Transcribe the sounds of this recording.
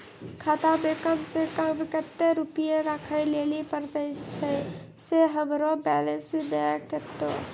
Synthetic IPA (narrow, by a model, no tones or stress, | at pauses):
kʰat̪abekəmsẽkəbikət̪ːeɾupijeɾakʰəɪlelipəɾd̪əɪt͡ʃʰə | seɦəmɾobɛlesid̪eket̪o̰